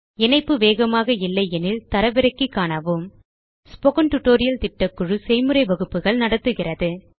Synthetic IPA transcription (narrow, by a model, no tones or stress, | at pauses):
ɛnɐɪpːɯʋeːɣɐmaːɣɐɪlːɐɪɛnɪlt̪ɐɾɐʋɪɾɐkːɯkːaːnɐʋɯm | spɔɣɐnʈʊʈːoːɾɪjɐlt̪ɪʈːɐkːɯɻɯsɛɪmɯɾɐɪʋɐɣɯpːɯɣɐɭnɐɽɐt̪ːɯɣɪrɐðɯ